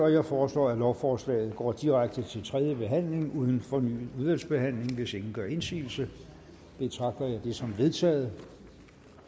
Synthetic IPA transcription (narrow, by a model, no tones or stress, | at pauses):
ɒ̽jɑ̈ɪfɒːslɒ̰ːælɒʊfɒːslɛ̰ːð̞̩ˠɡ̥ɒ̰ːd̥iʁaɡ̥̚d̥ət͡sʰe̝lt͡sʰʁɛð̞ˠjəb̥e̝ɦæn̰le̝ŋʔuð̞ˠn̩fɒ̽ny̰ːð̩ˠuðˠʋæl̰sb̥e̝hæn̰le̝ŋʋe̝se̝ŋn̩ɡ̥ɶɐe̝nsḭːl̩sə | b̥e̝t͡sʰʁɑ̈ɡ̥̚d̥ɐjɑ̈ɪd̥e̝sɒ̽mʋe̝ðˠt͡sʰɛ̰ːð̩ˠ